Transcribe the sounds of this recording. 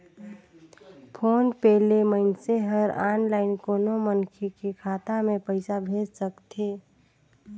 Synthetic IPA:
pʰoːnpɛːleməɪnseɦəɾaːnlaːɪnkoːnomənkʰekekʰaːt̪amẽpəɪsabʱeːd͡ʒsəkt̪ʰeː

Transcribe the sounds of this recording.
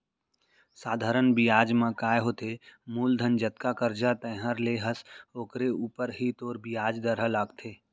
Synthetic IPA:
saːd̪ʱaːɾənbijaːd͡ʒmãkaːjɦoːt̪emuːld̪ʱənd͡ʒət̪̚kakəɾd͡ʒat̪ə̃ːɦəɾleːɦəsoːkɾeuːpəɾɦit̪oːɾbijaːd͡ʒd̪əɾɦəlaːɡt̪ʰeː

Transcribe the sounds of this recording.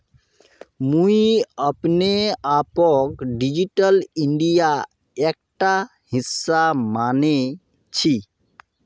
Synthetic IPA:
mũiəpneapɔkɖid͡ʒiʈəliɳɖija | ek̚ʈa | hisːamane | t͡ʃʰi

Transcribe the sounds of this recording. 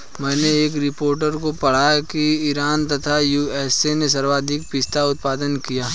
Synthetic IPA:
mɛ̃ːneeːkɾɪpoːɾʈəɾkopɐɽ̤aːjakiɪɾaːnt̪ɐt̪ʰajuːɛːsenes̬ɐɾʋaːd̪ʱɪk̚pɪst̪aʊt̪̚paːd̪ənkijaː

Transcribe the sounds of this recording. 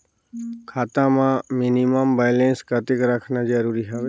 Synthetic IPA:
kʰaːt̪ãmãminiməmbajlẽnskət̪ɪkɾaːkʰnad͡ʒəɾuːɾiɦaʋe

